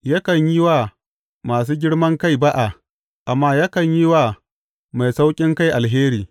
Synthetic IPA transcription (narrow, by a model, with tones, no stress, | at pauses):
ja˦kɐ˨ɲji˦waː˦˨ | maː˨s̬uː˦ɡʲɪ˦ɽmɐ˦ŋka˦˨jba˦ʔa˨ | ʔa˨mːaː˦ja˦kɐ˨ɲji˦wa˨ | ma˨jsa˦wkʲʼɪ˦ŋka˦jʔa˨lɦeː˦ɾiː˨